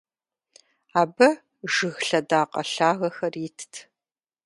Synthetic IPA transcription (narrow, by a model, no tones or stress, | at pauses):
aːbɐ | ʒɨɣɬɐdaːqʼɐ̰ɬaːɣɐxɐritʰtʰ